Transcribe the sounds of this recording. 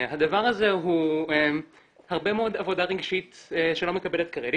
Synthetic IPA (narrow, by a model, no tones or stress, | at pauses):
had̪avaʁhazeɦue | haʁbe̞meod̪avo̞d̪aʁeɡʃit̪eʃelo̞me̞kabelet̪kaʁel